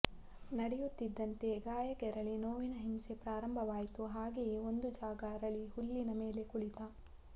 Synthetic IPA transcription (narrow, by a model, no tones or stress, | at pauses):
nɐɽɛjut̪ːid̪ːɐnt̪e̞ɡaːjɐkɛɾɐɭenoːʋinɐɦimsepɾaːɾɐmbʱɐʋaːjt̪uɦaːɡejeo̞nd̪ud͡ʒaːɡɐɾɐɭihulːinɐme̞ːle̞kuɭit̪aː